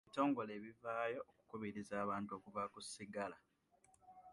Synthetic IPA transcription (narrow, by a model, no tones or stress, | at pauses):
ito̞ːŋɡo̞le̞ːβivaːjo̞ːku̥kuβiɾizaːβaːntuo̞kuvakusiɡala